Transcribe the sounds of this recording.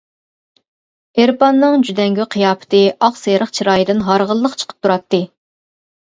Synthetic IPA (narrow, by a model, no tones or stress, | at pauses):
eɾpɑnːɨŋd͡ʒyd̪ɛŋɡʲyqʰijɑːpʰɨ̥t̪ʰɨʔɑqsejɾəχt͡ʃʰiɾɑːjid̪ɨnɦɑɾʁəlˠːəqt͡ʃʰə̥qʰə̥p̚t̪ʰuɾɑt̪ːɨ